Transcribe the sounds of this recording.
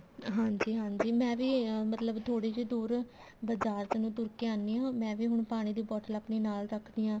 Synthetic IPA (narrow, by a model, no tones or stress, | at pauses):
ɦãːɲd͡ʒiːɦãːɲd͡ʒiːmɛ̃ːʋiːmət̪ləbt̪ʰoːɽeːd͡ʒeːd̪uːɾ | bəd͡ʒaːɾt̪enũːt̪ʊɾkeãːnːiːãːmɛ̃ːʋiːɦʊɳpaːɽ̃iːd̪iːbɔːʈəlaːpɳiːnaːlɾəkʰd̪iːãː